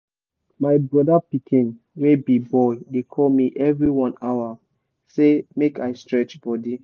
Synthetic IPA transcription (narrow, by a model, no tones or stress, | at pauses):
maɪbɹɔdapikʰĩn | webibɔjdekʰɔlmiʔɛvɹiwɔ̃naʊwa | semekaɪstɹɛt͡ʃbɔdi